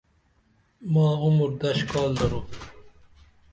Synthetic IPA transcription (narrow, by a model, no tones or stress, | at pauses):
mãːʊmɾd̪ɐʃkɑːld̪ɐɾoː